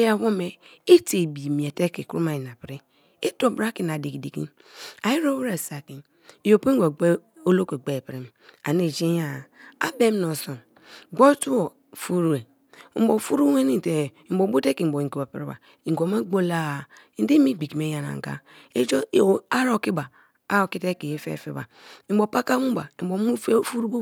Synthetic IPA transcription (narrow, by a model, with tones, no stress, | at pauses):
ja˨wo˦me˨i˦te˨bi˨mi˨e˨te˦ke˨ku˦ɾu˦ma˨ji˨na˨pɾi˦ | e˦to˦˨bɾa˦ki˦na˨di˨ki˨di˨kḭ˦ | a˨ji˦ɾo˦wɾe˨sa˨ki˨n˨ | jo˨pi˦ŋʷ˦o˨˦ | o˦lo˦ko˨ɡ͡be˦˨pɾi˦m˨a̰˨ne˨d͡ʒe˦ja˨a̰˦be˦m˦no˨so˨n | ɡ͡bo˦tu˦o˨ | fu˦ɾu˨e˨˦ | m̩˦bo˨fu˦ɾu˦we˦ni˦˨te˨i˨m̩˦bo˨˦bo˦te˦ki˨m̩˨bo˨i˨ki˨wa˨pḭ˨ɾe˦ba̰˨ | i˨ŋ˨ɡo˨me˦ɡ͡bo˦la˦˨i˨ndi˦mi˦˨ɡ͡bi˨ki˨me˨˦ja˨na̰˨ŋ˨ɡa̰˦ | e˦d͡ʒo˦˨a˦ɾo˨ki˦ba˨ | a˦o˨ki˦te˦ki˨je˦fḛ˦˨fḛ˦ba̰˨i˨˦bo˨pa˦ka˦mu˦ba˨i˨mbo˨˦mu˦fe˦fu˦ɾu˦bo˦